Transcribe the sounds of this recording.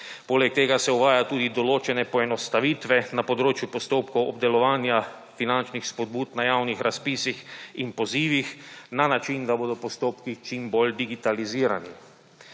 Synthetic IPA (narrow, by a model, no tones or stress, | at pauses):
poːlɛk̚t̪eːɡasɛuʋaːjat̪uːd̪id̪ɔloːt͡ʃɛnɛpɔɛnɔst̪aʋiːt̪ʋɛnapɔd̪ɾoːt͡ʃjupɔst̪oːpkɔwɔb̚d̪ɛlɔʋaːnja | finant͡ʃnixspɔd̪̚buːt̪najaːwnixɾaspiːsixinpɔziːʋixnanat͡ʃind̪aboːd̪ɔpɔst̪oːpkit͡ʃimbold̪iɡit̪aliziːɾani